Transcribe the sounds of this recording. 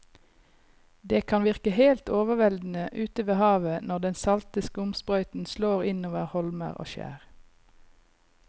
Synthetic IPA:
d̪eːkʰɑnʋɪʁkəheːlt̪oːʋəʋɛld̪n̩əʔʉːt̪əʋeːhɑːʋənɔʁd̪ɛnsɑlt̪ɪskəʊmspʁœʏt̪n̩sloːʁɪnoːʋəʁhɔlmə̰ʁo̰ːʃæ̰ːʁ

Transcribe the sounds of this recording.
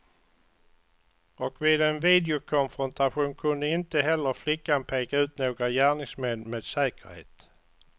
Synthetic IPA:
ɔkvɪːd̪ɛnviːd̪ɪʊkʰɔnfɾɔnt̪ʰaɧuːnkʰɵnd̪əɪnt̪əɦɛlːəɾflɪkːanpʰeːkaʉ̟ːt̪noːɡɾajæːɳɪŋsmɛnːmeːd̪sɛːkəɾhḛːt̪

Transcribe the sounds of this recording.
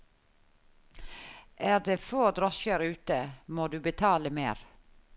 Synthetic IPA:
ʔæːɾd̪eːfoːd̪ɾɔʃkəɾʉːt̪əmoːd̪ʉːbət̪ʰɑːləmeːɾ

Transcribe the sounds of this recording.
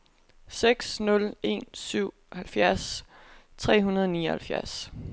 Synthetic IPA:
seɡ̥snɔ̽le̝̰ːnsyʊ̰ | hælfjæɐst͡sʰʁɛ̰ːɦunɐð̞ˠɒnḭːɐhælfjæɐs

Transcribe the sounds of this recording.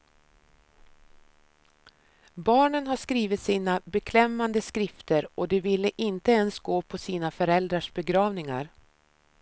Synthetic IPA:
bɑːɳənɦaʂkɾiːvɪt̪siːnabɛkʰlɛmːand̪əskɾɪft̪əɾɔd̪ɛvɪlːəʔɪnt̪əɛnsɡoːpʰɔsiːnafœɾɛld̪ɾaʂbɛɡɾɑːvnɪŋa̰ɾ

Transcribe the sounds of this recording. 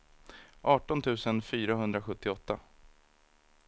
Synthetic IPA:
ʔɑːʈɔnt̪ʰʉ̟ːsənfyːɾaɦɵnd̪ɾaɧɵt̪ːɪɔt̪ːa

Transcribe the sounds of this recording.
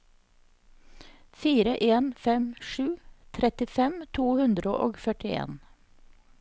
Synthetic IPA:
fiːɾəʔeːnfɛmʃʉːt̪ʰɾɛt̪ɪfɛmt̪ʰuːhʉnd̪ɾəʔo̰ːɡfœʈɪḛːn

